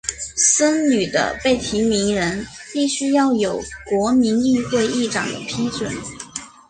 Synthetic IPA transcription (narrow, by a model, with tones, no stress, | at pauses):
sə˥ŋny˨˩d̪ə̰˦pe˥˩ɪt̪ʰi˧˥mi˧˥ŋɻə˧˥npi˥˩ɕy˥jɑ˥˩ʊjo˨˩ʊkwɔ˧˥mi˧˥ni˥˧xwe˥˧ɪi˥˩ʈ͡ʂɑ̰˨˩ŋd̪ə̰˦pʰi˥t͡swə̰˨˦n